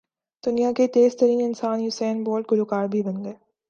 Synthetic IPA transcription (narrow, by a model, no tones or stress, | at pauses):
d̪̥ʊnijakeːt̪eːzt̪ɐɾiːnɪnsaːnjʊsɛːnboːɾʈ̚ɡʊloːkaːɾbʱibɐ̃nd̪eː